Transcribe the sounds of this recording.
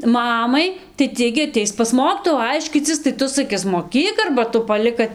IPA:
ˈmɑːmɐɪ tɐɪ ˈtʲiɛ ɡʲɪ ɐˈtʲɛɪs pɐs ˈmoːkʲiːtoːjuː ˈɐɪʃʲkʲiːt͡sʲɪs tɐɪ ˈtʊ sɐˈkʲɪs moːˈkʲiːk ɐrbɐ ˈtʊ pɐˈlʲɪk kɐt

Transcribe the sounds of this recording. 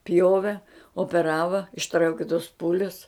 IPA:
ˈpʲjoːʋʲɛ oːpʲɛˈrɑːʋɐ ɪʃˈtrɐʊkʲɪ toːs ˈpuːlʲʊs

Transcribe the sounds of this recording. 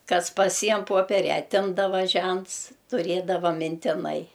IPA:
ˈkɐs pɐˈsʲiɛm ˈpoːpʲɛrʲɛ ɐˈtʲɪmdɐʋɐ ˈʒʲɛnts tʊˈrʲeːdɐʋɐ mʲɪnʲtʲɪˈnɐɪ

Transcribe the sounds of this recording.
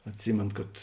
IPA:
ɐtʲˈsʲiːmʲeːn kɐt

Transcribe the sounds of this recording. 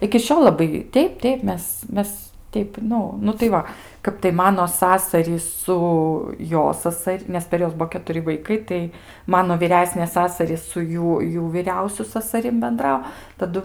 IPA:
ɪkʲɪ ˈʃʲoːlˠ lˠɐˈbɐɪ ˈtʲɛɪp ˈtʲɛɪp ˈmʲɛs ˈmʲɛs ˈtʲɛɪp ˈnʊ nʊ tɐɪ ˈʋɐ ˈkɐp tɐɪ ˈmɑːnoː ˈsɑːsɐrʲiːs ˈsʊ ˈjoː ˈsɑːsɐrʲ nʲɛs pʲɛr ˈjuɔs ˈbuɔ kʲɛtʊˈrʲɪ ʋɐɪˈkɐɪ tɐɪ ˈmɑːnoː ʋʲiːˈrʲæːsʲnʲeːs ˈsɑːsɐrʲiːs sʊ ˈjuː ˈjuː ʋʲiːˈrʲɛʊsʲʊ sɐsɐˈrʲɪm bʲɛnˈdrɐʊ tɐˈdʊ

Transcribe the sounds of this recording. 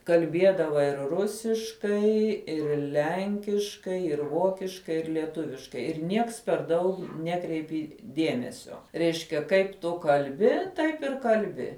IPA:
kɐlʲˈbʲiɛdɐʋɐ ɪr ˈrʊsʲɪʃkɐɪ ɪr ˈlʲɛŋʲkʲɪʃkɐɪ ɪr ˈʋoːkʲɪʃkɐɪ ɪr lʲiɛˈtʊʋʲɪʃkɐɪ ɪr ˈnʲiɛks pʲɛr ˈdɐʊk ˈnʲæːkrʲɛɪpʲɪ ˈdʲiɛmʲɛsʲoː ˈrʲɛɪʃʲkʲɛ ˈkɐɪp tʊ kɐlʲˈbʲɪ ˈtɐɪp ɪr kɐlʲˈbʲɪ

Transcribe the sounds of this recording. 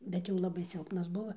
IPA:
ˈbʲɛt jɛʊ ˈlˠɑːbɐɪ ˈsʲɪlˠpnɐs ˈbʊʋɐ

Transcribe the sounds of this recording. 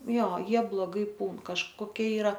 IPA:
ˈjoː ˈjiɛ blˠoːˈɡɐɪ ˈpuːn kɐʃkoːˈkʲiɛ ɪˈrɐ

